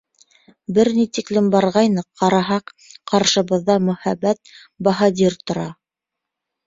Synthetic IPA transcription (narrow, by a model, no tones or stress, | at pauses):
bɘɾnit̪iklɘmbɑɾʁɑjnɤqɑɾɑɦɑqqɑɾʃɤ̆βɤ̆ðːɑmɵ̆hæbːæt̪̚ | bɑɦɑd̪ʲiɾt̪ŏɾɑ